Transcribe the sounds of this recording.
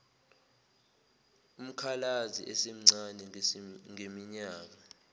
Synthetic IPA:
um̩kʰalazḭʔɛsem̩ŋ͡ǀanɛŋemiɲaːk̬a

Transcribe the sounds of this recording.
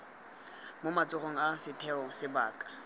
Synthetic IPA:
mʊmat͡sʼʊroŋ̩asɪtʰɛɔsɪba̰ːkʼḁ

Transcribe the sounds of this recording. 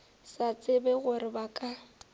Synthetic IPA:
sat͡sʼɪbɛɣʊrɪbakʼa

